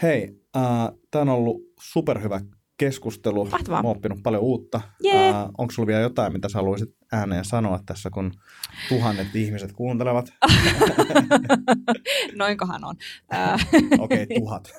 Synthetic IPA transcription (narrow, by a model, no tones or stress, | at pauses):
hei | əːt̪æːˑonolːusuperhyʋæ | keskust̪elut̪ʋɑ̰moopːinuppɑljouːt̪ːɑjo̰ŋksulʋieljot̪ɑimit̪æsɑluisit̪ | æːnejjɑsɑnoɑt̪t̪æsːækun | t̪uɦɑnːet̪ihmiset̪kuːnt̪eleʋɑt̪ | noiŋkoɦɑ̰no̰nəːo̰keit̪uɦɑt̪